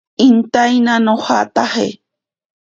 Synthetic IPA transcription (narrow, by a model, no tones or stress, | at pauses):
int̪ajnãnõhat̪ahḛ